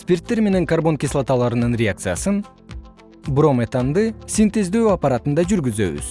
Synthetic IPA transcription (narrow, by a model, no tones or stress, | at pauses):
spʲirt̪ːe̞ɾme̞ne̞ŋkarbo̞nkʲislˠat̪alˠɑɾɯnɯnrʲeak̚t̪sɨjasɯn | bro̞met̪and̪ɯsint̪e̞zd̪øːapaɾat̪ɯnd̪ɑd͡ʒyɾɡyzø̞βy̰z̥